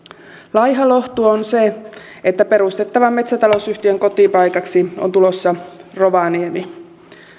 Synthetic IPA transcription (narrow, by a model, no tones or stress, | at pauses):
lɑjɦɑlo̞ht̪uonse | et̪ːæpe̞ɾust̪e̞t̪ːɑʋɑmme̞t̪sæt̪ɑlosyht̪ieŋko̞t̪ipɑjkɑksiont̪ulosːɑroʋɑniemi